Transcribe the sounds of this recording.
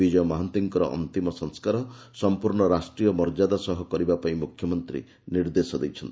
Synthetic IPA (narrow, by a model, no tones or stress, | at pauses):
bid͡ʒɔjɔmɔɦant̪iŋkɔɾɔ̰ʔɔ̰nt̪imɔsɔŋskaɾɔsɔmpuɾɳɔɾasʈɾijɔmɔɾd͡ʒad̪asɔɦɔkɔɾibapaĩmukʰjɔmɔnt̪ɾḭ | niɾd̪esɔd̪ejt͡ʃʰɔnt̪i